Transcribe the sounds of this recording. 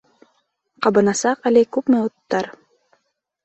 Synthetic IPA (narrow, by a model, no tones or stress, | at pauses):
qɑbɤ̆nɑsɑqælɘkʉpmɘot̪ːɑɾ